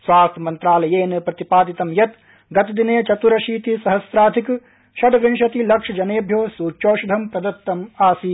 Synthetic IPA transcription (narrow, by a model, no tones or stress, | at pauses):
sʋaːst̪ʰɐmɐnt̪ɾaːlɐjeːnɐpɾɐt̪ipaːd̪it̪ɐmjɐt̪ | ɡɐt̪ɐd̪ineːt͡ʃɐt̪uɾɐʃiːt̪isɐɦɐsɾaːd̪ʱik | ʃɐɖɐʋinʃɐt̪ilɐkʂɐd͡ʒɐneːbʱjoːsuːt͡ʃoːʃud̪ʱɐmpɾɐd̪ɐt̪ːɐmaːsi